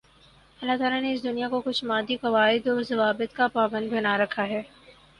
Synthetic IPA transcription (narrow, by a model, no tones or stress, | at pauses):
ɐlːat̪aːlaneɪs̬d̪ʊnijakokʊt͡ʃʰmaːd̪ikɐʋaːɪd̪ɔzɐʋaːbɪt̪kapaːbə̃nd̪bɐnaɾɐkʰaɦɛː